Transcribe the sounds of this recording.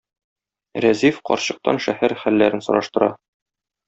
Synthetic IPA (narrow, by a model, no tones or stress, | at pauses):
ɾæzifqɒ̰ɾɕɤ̆q̚t̪ɑ̰nʃæhæɾχælːæɾɘnsɤ̆ɾɑʃt̪ɤ̆ɾɑ